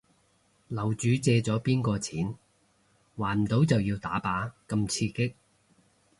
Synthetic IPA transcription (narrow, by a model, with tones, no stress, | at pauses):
lɐ˨˩wt͡ʃyː˨˥t͡sɛː˧t͡sɔː˨˥piː˥nkɔː˧t͡sʰiː˨˥n | waː˨˩nm̩˨t̪o˨˥wt͡sɐ˨wjiː˧wt̪aː˨˥paː˨˥kɐ˧mt͡sʰiː˧kɪ˥k̚